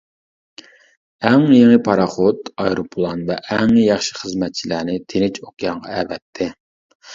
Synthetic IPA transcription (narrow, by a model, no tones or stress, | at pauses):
ɛŋjeŋəpʰɑɾɑχot̪ɑjɾopʰolˠɑnvɛʔɛŋjɑχʃi̥χəzmɛt̪̚t͡ʃʰilænɪt̪ʰenɪt͡ʃoqʰjɑŋʁɑɛvɛt̪ʰːɪ